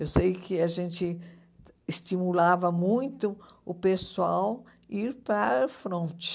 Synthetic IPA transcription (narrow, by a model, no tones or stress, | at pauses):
ewsejkɪaʒẽnt͡ʃɪ | ist̪imulavɐmũj̃t̪ʊ | ʊpeswaw | iɾpɐɾfɾõnt͡ʃɪ̥